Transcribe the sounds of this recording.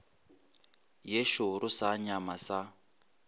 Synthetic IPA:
jeʃʊɾʊsaɲamasa

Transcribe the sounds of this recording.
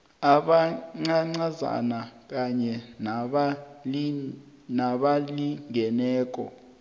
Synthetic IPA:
aɓaŋ͡ǀaŋ͡ǀaza̰nak̬ʼaɲɛn | naɓaliŋɛnɛːk̬ʼɔ̰

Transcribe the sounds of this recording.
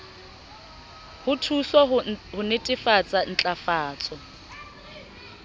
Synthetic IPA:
hʊtʰusɔhʊnɪtʼɪfat͡sʼan̩t͡ɬʼafaːt͡sʼɔ

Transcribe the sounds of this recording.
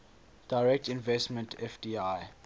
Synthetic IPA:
d̥aɪɹɛk̚tĩnvɛstmə̃ntʰɛfdiaj

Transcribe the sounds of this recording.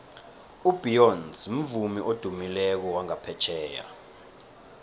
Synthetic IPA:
ub̥ijɔnsm̩vumiʔod̥ʱumilɛk̬ɔwaŋapʰɛt͡ʃʰɛːja̰

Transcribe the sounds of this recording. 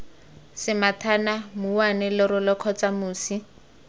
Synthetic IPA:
sɪmatʰanamuwanɪlɪɾʊlɔkʰɔt͡samuːsi

